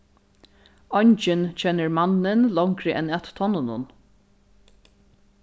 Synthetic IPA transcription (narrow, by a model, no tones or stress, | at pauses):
ɔjɲt͡ʃɪnt͡ʃʰɛnːɪɹmanːɪnlɔŋkɾɪʔɛnat̪t̪ʰɔnːʊnʊ̰n